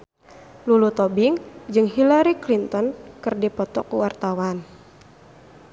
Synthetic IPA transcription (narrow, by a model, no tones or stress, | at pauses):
lulut̪ɔbiŋd͡ʒɨŋɦilaɾiklint̪ɔnkɨrdipɔt̪ɔkuwart̪awan